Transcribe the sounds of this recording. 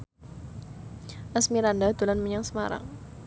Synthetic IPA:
ʔasmiɾandad̪ulanməɲaŋsəmaɾa̰ŋ

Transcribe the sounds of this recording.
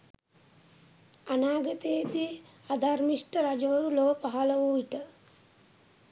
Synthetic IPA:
anaːɡət̪ejed̪i | ad̪aɾmiʂʈəɾad͡ʒəʋəɾuloʋəpaɦaləʋuʋiʈə

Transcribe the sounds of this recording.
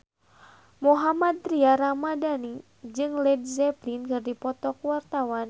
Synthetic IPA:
moɦamad̪̚ɾiaɾamadani | d͡ʒɨŋlɛd̚zɛplinkɨrdipɔt̪ɔkwart̪awan

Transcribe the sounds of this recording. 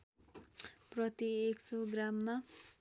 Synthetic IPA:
prʌt̪ieksoɡramːa

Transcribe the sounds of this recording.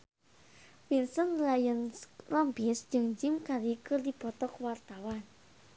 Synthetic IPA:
winsənlajənlɔmpisd͡ʒɨŋd͡ʒimkaɾikɨrdib̥ɔt̪ɔkwart̪awan

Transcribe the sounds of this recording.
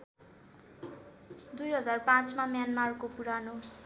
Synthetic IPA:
d̪ujɦʌd͡zarpãt͡smamjanmarkopuɾano

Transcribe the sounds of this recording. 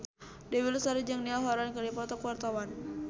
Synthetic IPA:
dɛwilsaɾid͡ʒəŋniaɦɔɾankəlipɔt̪ɔkwart̪awan

